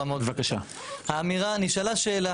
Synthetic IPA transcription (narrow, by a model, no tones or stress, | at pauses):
amovakaʃa | haːmiʁaniʃalaʃe̞ːla